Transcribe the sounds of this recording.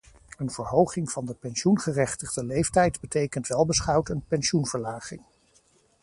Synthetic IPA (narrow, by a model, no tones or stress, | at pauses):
ənv̥əɹɦowχɪŋv̥ɑndəpɛnsunχərɛχtəχdəlejftɛjdbətejkəntʋɛlˠbəsχɑwtənpɛnsunv̥əɹlaːχɪ̰ŋ